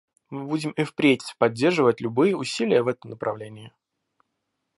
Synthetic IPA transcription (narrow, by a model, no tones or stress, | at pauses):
mɨbudʲɪmɪfpɾʲetʲpɐdʲːe̞rʐɨvətʲlʲʊbɨjəʊsʲilʲɪjəvɛt̪əmnəpɾʔɐvlʲenʲɪɪ